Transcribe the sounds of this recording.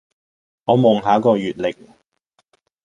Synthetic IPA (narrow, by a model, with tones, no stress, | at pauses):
ŋɔː˨˧mɔː˨˩ŋɦaː˨˥kɔː˧jyː˨˩t̚lɪ˨k̚